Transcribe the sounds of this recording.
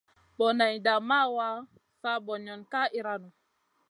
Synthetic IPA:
ɓɔ˨na˨jda˨ma˦wa˦ | sa˦bɔ˨ɲɔ˨nka˦ʔi˦ɾa˦nu˨

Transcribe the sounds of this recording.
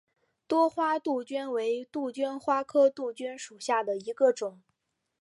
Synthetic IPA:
t̪wɔ˥xwa˥t̪u˥˩t͡ɕɛ˥nwe˧˥ɪt̪u˥˩t͡ɕɛ˥nxwa˥kʰɤ˥t̪u˥˩t͡ɕy˥nʂu˨˩ɕja˥˩d̪ə˩i˧˥ɡə˧ʈ͡ʂʊ˨˩˦ŋ

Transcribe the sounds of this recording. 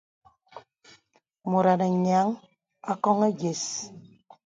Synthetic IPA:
mo˨ɾa˨na˨ɲa˨˦ŋ | a˦kɔ˦ŋe˦ɡe˨s

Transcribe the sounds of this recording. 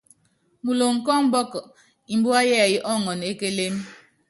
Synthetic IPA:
mu˨lo˨ŋ̩˨kɔ˦m̩˦bɔ˦kɔ˨ | i˨m̩˦bu˦a˦jɛ˦˨ji˦ʔɔ˦ŋɔ˨ne˦ke˦le˦m

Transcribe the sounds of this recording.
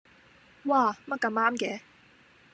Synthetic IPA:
waː˧˩mɐ˥t̚kɐ˧maː˥mkɛː˨˥

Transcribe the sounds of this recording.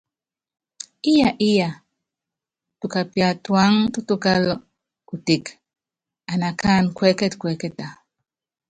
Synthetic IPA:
i˦ja˨ʔi˦ja˨ | tu˨ka˨pja˨twa˨˦ŋtu˦tu˦ka˦lɔ˦ | ku˨te˨k | a˨na˨kʰa˦˨nkwɛ˦kɛ˦tkwɛ˨˦kɛ˦ta˨

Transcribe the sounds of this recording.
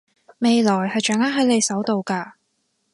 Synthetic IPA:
me˨jlɔː˨˩jhɐ˨jt͡ʃœː˨˥ŋa˥ɦɐ˨˥le˨˧jsɐ˨˥wt̪o˨wkaː˧

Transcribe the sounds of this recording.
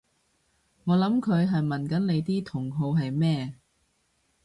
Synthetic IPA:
ŋɔː˨˧lɐ˨˥mkʰɵ˨˧ɥɦɐ˨jmɐ˨˩nkɐ˨˥nle˨˧jt̪iː˥t̪ʰʊ˨˩ŋɦo˨˧wɦɐ˨jmɛː˥˧

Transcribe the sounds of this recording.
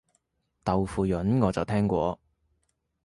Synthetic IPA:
t̪ɐ˨wfuː˨˩jɵ˨˥nŋɔː˨˧t͡sɐ˨˩wt̪ʰɛː˥ŋkʷɔː˧

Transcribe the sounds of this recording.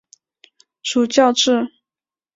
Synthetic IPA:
ʂu˨˩t͡ɕjɑ˥˧ʊʈ͡ʂɻ̩˥˩

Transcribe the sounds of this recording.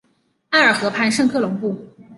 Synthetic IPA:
a˥˩ə˞˨˩xɤ˧˥pʰa˥˧nʂɤ˥˧ŋkʰɤ˥˩lʊ˧˥ŋpu˥˩

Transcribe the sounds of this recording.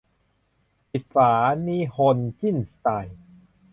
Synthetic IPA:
ʔi˨˩t̪̚saː˩˦niː˦˥ho˧nt͡ɕi˥˩nst̪aː˧˩j

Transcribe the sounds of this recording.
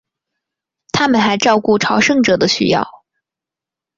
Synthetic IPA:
t̪ʰa˥mə˨nxa˧˥ɪʈ͡ʂɑ˥˧ʊku˥˩ʈ͡ʂʰɑ˧˥ʊʂɤ˥˩ŋʈ͡ʂɤ˨˩d̪ə˦ɕy̰˥jɑ̰˥˩ʊ

